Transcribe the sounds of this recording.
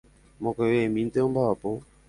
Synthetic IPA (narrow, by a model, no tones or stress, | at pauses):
mokewemint̪əbaapo